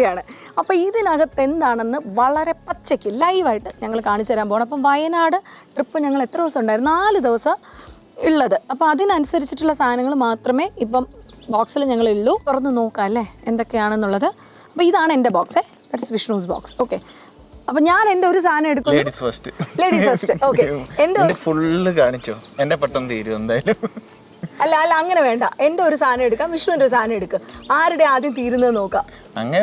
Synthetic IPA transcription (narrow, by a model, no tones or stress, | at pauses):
ijaːɳɨɐpːoiðinaɣɐt̪ːe̞nd̪aːɳe̞nːɨʋɐɭɐɾe̞pɐt͡ɕːɐkʲːɨlɐjʋaːjiʈːɨɲɐŋːɐɭkaːɳit͡ɕːuʋɐɾaːmpoːɣɳmɐp̬ːɐmʋɐjɐnaːɽɨʈripːɨɲɐŋːɐɭe̞t̪ːrɐeʋɐsɐmuɳɖaːjɾnnaːlɨd̪eʋɐsɐ | iɭːɐðɨɐpːɐmɐðinɐnusɐɾit͡ɕːiʈːuɭːɐst̪ʰaːnɐŋːɐɭmaːt̪rɐme̞ːipːɐmbaːksilɲɐŋːɐɭiɭːuːk̪urɐnːɨno̞ːkːaːɐlːeend̪o̞kːe̞jaːɳe̞nːuɭːɐðɨ | ɐpːoːiðaːɳɨe̞nde̞baːkse | t̪ɐɾɐsʋiʂɳuːsba̰ːkso̞ːkːe̞ | ɐpːɐːɲaːne̞nde̞oɾusʰaːnɐme̞ɽukːueːɽisfɐsʈɨle̞ːɽiːsfɐsʈɨo̞ːkːeendedefuɭɨkaːɳit͡ɕːo̰ːendepɐʈːɐnt̪iːɾuend̪aːjɐlum | ɐlːɐɐlːɐɐŋːɐne̞ʋe̞ːɳɖɐ̰ʔe̞nde̞o̞ɾusaːnɐme̞ɽukːaːmʋiʂɳuːnoɾus̬t̪aːnɐme̞ɽukːuaːɾuɽe̞aːd̪jɐmt̪iːɾunːɐðno̞ːkːaːm | ɐ̰ŋːɐne